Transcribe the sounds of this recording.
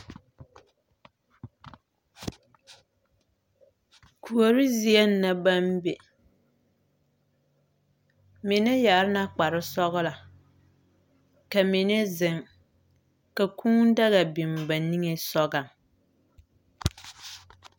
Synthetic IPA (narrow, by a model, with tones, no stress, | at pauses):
kʰu˨o˨ɾɪ˦zi˦ɛ˦nː˦a˦ba˦mbe˨ | mɪ˨ne˦ja˨˦ɾɪ˦na˦k͡pa˨ɾɪ˦sɔ˦ɣla˨ | ka˨mi˨ne˦zɪ˨ŋ | ka˨kʰũ˦da˦ɣa˨bi˨m˨ba˨ni˦ŋe˨sɔ˦ɡa˨ŋ